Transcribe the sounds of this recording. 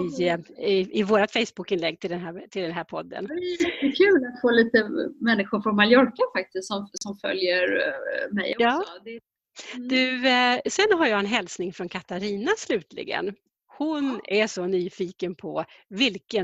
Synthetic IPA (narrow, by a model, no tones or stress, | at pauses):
ɪɪɪvoːɾat̪fɛjsbʊkːɪnlɛɡːt̪ʰɪld̪ɛnɦæɾt̪ʰɪld̪ɛnɦæːɾpʰɔd̪ːə̰nd̪ɛɛjɛt̪ːəkʰʉ̟ːlat̪foːliːt̪əmɛnːɪɧʊɾfɾɔnmaljɔɾkafak̚t̪ɪst̪sɔmsɔmfœ̰ljəɾmɛjɔjɑːɔd̪ | d̪ʉ̟sɛnɦaɾjaɛnɦɛlsnɪŋfɾɔnkʰat̪aɾiːnaslʉ̟ːt̪ʰlɪ̰ɡə̰n | hʊnæʂɔnyːfiːkənpʰɔvɪlkə